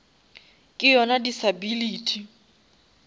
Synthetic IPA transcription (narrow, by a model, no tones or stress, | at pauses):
kʼɪjɔnadisabiliːtʰʼi